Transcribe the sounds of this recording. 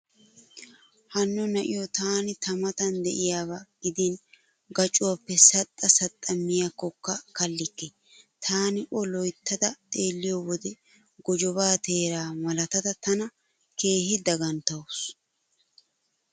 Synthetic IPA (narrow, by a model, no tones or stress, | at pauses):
hɐnːɔnɐʔɪjɔt̪aːnɪt̪ɐmɐt̪ɐnd̪ɛʔɪjaːβaɡ̥ɪd̪ɪn | ɡɐt͡ʃʼːʊwɐpːɛsɐt̪ʼːɐsɐt̪ʼːɐmːɪjɐkːɔkːɐkɐlːɪkːɛ | t̪ʰaːnɪʔɔlɔjt̪ːɐd̪ɐt̪ʼe̞ːlːɪjɔwɔd̪ɛ | ɡ̥ɔd͡ʒɔβaːt̪e̞ːɾaːmɐlɐt̪ɐd̪ɐt̪ɐnɐ | kʰe̞ːhɪd̪ɐɡɐnt̪ɐwʊs